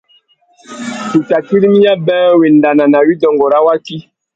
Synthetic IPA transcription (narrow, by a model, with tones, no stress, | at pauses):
tu˨ta˨ki˦ɾi˦mi˦ja˦bɛ̃˦we˨nda˨na˨na˨wi˦dɔ˨ŋɡɔ˨ɾa˦wa˦ki˦